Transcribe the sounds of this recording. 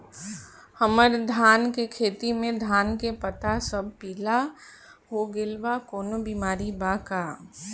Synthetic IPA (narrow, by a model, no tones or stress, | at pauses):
həməɾd̪ʱaːnkekʰeːt̪imẽd̪ʱaːnkepət̪asəb̚piːla | ɦoɡɪlʋakoːnobiːmaːɾibakaː